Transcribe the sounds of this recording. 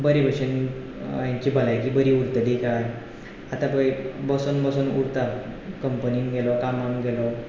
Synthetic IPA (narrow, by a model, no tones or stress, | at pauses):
bəɾibəɕən | jãɲt͡ɕibʱəlajkiːbəɾiuɾt̪əd̪ikaj | at̪ãbəjbəsunbəsunuɾt̪akəmpəniŋɡelɔkamaŋɡelɔ